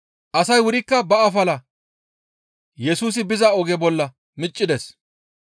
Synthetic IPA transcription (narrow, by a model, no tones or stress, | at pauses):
ʔɐsɐjwʊɾɪkːɐbɐɐfɐlɐ | jɛsuːs̬ɪbɪzɐɔɡɛbɔlːɐ | mɪt͡ʃʼːɪd̪ɛs